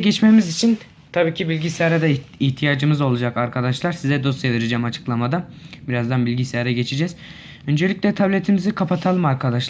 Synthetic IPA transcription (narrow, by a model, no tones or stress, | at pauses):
ɟɛt͡ʃmemizit͡ʃʰin | t̪ʰabiːcʰibilʲɟisejaɾɛd̪aiht̪ʰijaːd͡ʒɯmɯzo̞lˠud͡ʒakaɾkʰad̪aʃlˠaɾsizɛd̪o̞st̪eveɾid͡ʒɛːmat͡ʃʰɯ̥klˠamad̪abiɾazd̪anbilʲɟisejaɾɛɟe̞t͡ʃʰid͡ʒɛz | ø̞nd͡ʒelʲiclʲɛt̪ʰablʲet̪ʰimizikʰapʰat̪ʰalˠɯmaɾkʰad̪aʃlˠ